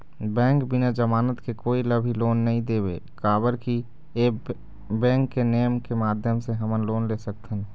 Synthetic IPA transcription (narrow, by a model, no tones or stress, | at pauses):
bɛ̃ːŋkbɪnad͡ʒəmaːnət̪kekoːiləbʱiloːnːəɦĩd̪eːbḛkaːbəɾki | eː | bɛ̃ːŋkːenejəmkemaːd̪ʱjəmseɦəmənloːnlesək̚t̪ʰən